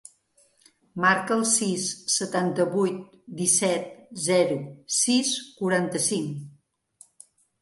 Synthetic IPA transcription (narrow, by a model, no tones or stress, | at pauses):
maɾkəːlˠsisːət̪ant̪əβujt̪̚ | d̪isɛt̪̚zɛɾusiskuɾant̪əsiŋ